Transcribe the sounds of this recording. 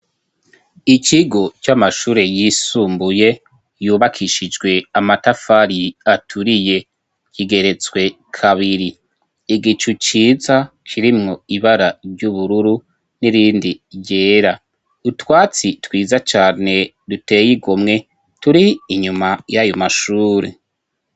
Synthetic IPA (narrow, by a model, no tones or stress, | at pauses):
it͡ʃiɡo̞t͡ʃamaʃuːɾe̞jisuːmbuje̞ | juːβakʰiʃid͡ʒɡwe̞amatafaɾiatʰuɾije̞ | kiɡe̞ɾe̞t͡swe̞ | kʰaβiɾi | iɡit͡ʃut͡ʃiːza | kʰiɾimŋo̞iβaɾaɾɟuβuɾuɾu | niɾiːndiɟe̞ːɾa | utwaːt͡sitwiːzat͡ʃaːne̞ | dute̞ːjiɡomŋe̞ | tuɾiːɲumajajomaʃuːɾe̞̰